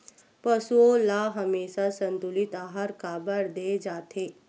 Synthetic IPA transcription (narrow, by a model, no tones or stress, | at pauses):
pəsuolaɦəmeːʃasənt̪ulit̪aːɦaɾkaːbəɾd̪ed͡ʒaːt̪ʰe